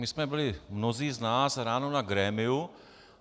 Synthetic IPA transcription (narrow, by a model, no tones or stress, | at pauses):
mɪsmɛbɪlɪmnoziːznaːsɾaːnoːnaɡɾɛːmɪʊ